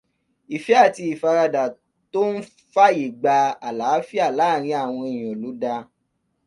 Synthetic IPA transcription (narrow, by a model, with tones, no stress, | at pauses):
i˨fi˨˦a˦˨ti˧i˨fa˧ɾa˧da˨ | to˦n̩˦ | fa˦ji˨ɡ͡ba˧a˨la˨˦fi˦a˦˨laː˦˨ɾ̃ĩ˧˦a˦˨w̃ɔ̃˧i˦˨j̃ɔ̃˨lu˨˦da˧